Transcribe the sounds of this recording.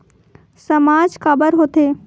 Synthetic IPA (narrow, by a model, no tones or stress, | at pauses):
sɐmaːd͡ʒkaːbəɾɦoːt̪eː